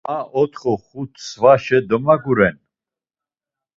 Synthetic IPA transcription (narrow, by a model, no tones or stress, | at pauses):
ãʔɔt̪ʰχɔχut̪ʰsvaʃɛd̪ɔmaɡuɾɛn